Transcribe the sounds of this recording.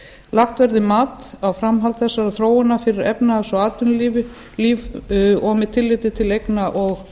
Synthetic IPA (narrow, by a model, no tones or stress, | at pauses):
laxt̪vɛɾðɪmaːt̪awfɾamɦalt̪θɛsːaɾaθɾoːwɪnːafɪɾɪɾɛpnasɔaːt̪ʏnliv | liːvɔːmɪt̪ʰɪlːɪt̪ɪt̪ʰɪlejknaʔɔɣ